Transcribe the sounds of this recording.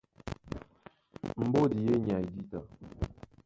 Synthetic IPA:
m̩˨bo˦di˨je˦ɲa˨i˨di˦ta˨

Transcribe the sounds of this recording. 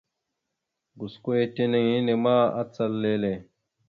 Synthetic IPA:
ɡu˨sko˦e˦te˦ne˦ŋji˦ne˨ma˦a̰˦t͡sa˦lːe˦le˨

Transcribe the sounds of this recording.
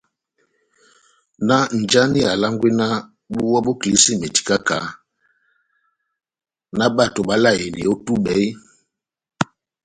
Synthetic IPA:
na˦n̩˨d͡ʒa˦ni˦a˨la˦ŋɡwe˦na˦ | ɓu˦wɔ˦ɓo˦kli˨˦si˦˨me˨ti̥˨ka˦ka˨ | na˦ɓa˦˨to˨ɓa˦la˦˨je˨ni˨o˦tu˦ɓɛ˨˦j

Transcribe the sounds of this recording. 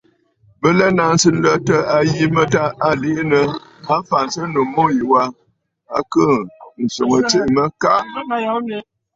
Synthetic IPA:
bə˦lɛ˦na˨nsɨ˦lə˦tə˦a˨ji˦mə˦ta˦a˦li˦ʔnə˨a˦m˦fa˨nsə˦nu˨mo˦ji˨wa˦ | a˦kə˦˨n̩˨so˨ŋə˨t͡se˦ʔmə˦ka˦ʔ

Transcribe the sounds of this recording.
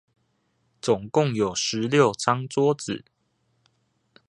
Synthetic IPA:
t͡sʊ˨˩ŋkʊ˥˨ŋjo˨˩ʊʂɻ̩˨˦ljo˥˨ʊt͡sʰɑ˥ŋt͡swɔ˥˦t͡sɹ̩˨˩˦

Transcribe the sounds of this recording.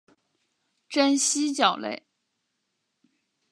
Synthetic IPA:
ʈ͡ʂa˥nɕi˥t͡ɕjɑ˨˩ʊlḛ˥˩ɪ

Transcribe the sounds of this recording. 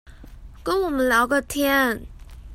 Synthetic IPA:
kə˥nwɔ˨˩mə˦nljɑ˧˥ʊɡə˥˩t̪ʰjɛ˥n

